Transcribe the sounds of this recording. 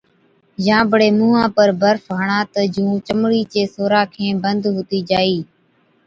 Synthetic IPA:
jãːbəɽeːmũːɦãːpəɾbəɾfɦəɳãːt̪əd͡ʒũːt͡ʃəmɽiːt͡ʃeːsoːɾaːkʰẽːbənd̪ɦoːt̪iːd͡ʒaːiː

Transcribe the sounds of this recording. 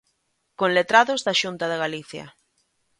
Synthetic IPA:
kõnlet̪ɾaðozðaʃunt̪aðeɣaliθja̰

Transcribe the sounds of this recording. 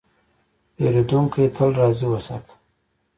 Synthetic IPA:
eɾed̪uŋkʰit̪ʰəlɾɑziwəsa̰t̪

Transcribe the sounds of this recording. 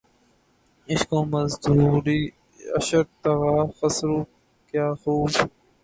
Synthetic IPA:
ɪskõːməzd̪uːɾiː | ə̰ʃəɾt̪ɐɣaːxəsɾuː | kjaːxuːb

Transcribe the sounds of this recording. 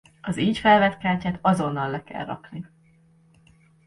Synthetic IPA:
ɒziːɲcfɛlvɛt̪kaːcaːt̪ɒzo̞nːɒlːɛkɛ̰lrɒ̰kni

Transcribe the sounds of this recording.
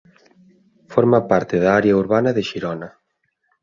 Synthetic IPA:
foɾmapaɾt̪ɪðaaɾeɐuɾβanɐðɪʃiɾɔnɐ

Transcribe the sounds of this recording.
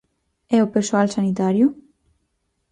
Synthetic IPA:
ɛwpeɾsualsanit̪aɾju

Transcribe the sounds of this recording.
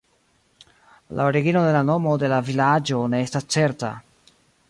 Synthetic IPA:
lʔa̰oɾiɡino̞de̞lano̞mo̞d̪e̞lavilad͡ʒo̞ne̞estast͡se̞ɾta̰

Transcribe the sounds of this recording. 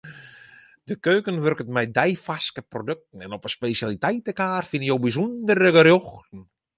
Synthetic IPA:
dəkøːkənʋørkətmɛjdɛjfaskəprodøk̚tən̩ɛnɔpəspeːsjalitɛjtəkaːrfɪnəjowbizundərəɡərjoxtn̩

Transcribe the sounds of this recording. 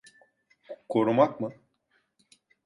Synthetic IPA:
kʰoɾumakmɯ

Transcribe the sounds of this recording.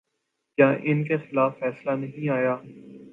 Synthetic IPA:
kjaːʔɪnkexɪlaːfːɛːslanɐɦĩaːjaː

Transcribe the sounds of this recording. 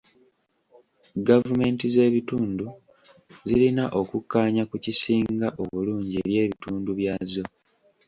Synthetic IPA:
ɡavume̞ːntize̞ːβituːndu | zilinaʔo̞kukːaːɲakucisiːŋɡaʔo̞βuluːɲɟie̞ɾje̞ːβituːnduβjaːzo̞

